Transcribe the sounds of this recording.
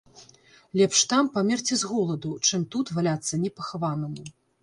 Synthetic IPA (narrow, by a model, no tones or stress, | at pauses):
lʲɛpʂt̪ampamʲɛrt͡sʲizɣɔlˠɐd̪ut͡ʂɨmt̪ut̪valʲat̪sːɐnʲɛpɐxavanɨmʲi